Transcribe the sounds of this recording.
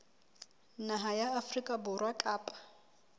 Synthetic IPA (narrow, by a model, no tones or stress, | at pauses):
naɦajaːfrikʼabʊrwakʼaːpʼḁ